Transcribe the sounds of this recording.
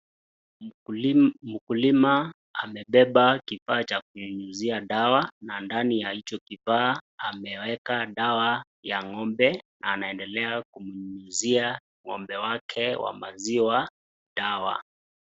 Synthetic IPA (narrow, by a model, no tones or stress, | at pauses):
m̩kulima | amɛɓɛɓakifaːt͡ʃakuuɲuziaɗawanandanijahit͡ʃɔkifaːamɛwɛkaɗawa | jaŋɔmbɛnaːnaɛndɛlɛakumuɲuzia | ŋɔmbɛwakʰɛwa̰maziwa | ɗawa̰